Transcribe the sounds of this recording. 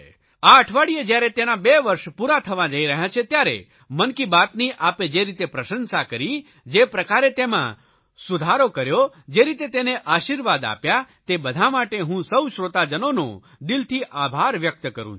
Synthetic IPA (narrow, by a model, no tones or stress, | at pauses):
aəʈʰʋaɽijed͡ʒjaɾet̪enabeʋəɾʃpuɾat̪ʰəʋãd͡ʒəiɾəɦjãt͡ʃʰet̪jaɾḛ | mənkibat̪niʔaped͡ʒeɾit̪epɾəʃənsakəɾi | d͡ʒepɾəkaɾet̪emã̰ | sud̪ʱaɾokəɾjo | d͡ʒeɾit̪et̪eneʔaʃiɾʋad̪a̰pjat̪ebəd̪ʱamaʈeɦũsəwʃɾot̪ad͡ʒənonõ̰ | d̪ilt̪ʰiʔabʱaɾʋjək̚t̪kəɾṵ̃